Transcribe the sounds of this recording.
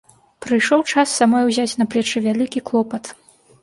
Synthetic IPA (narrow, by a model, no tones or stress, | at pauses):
pɾɨjʂɔwt͡ʂasːamɔjwzʲat͡sʲnɐpɾʲɛt͡ʂɨvʲalʲikʲiklˠɔpɐt̪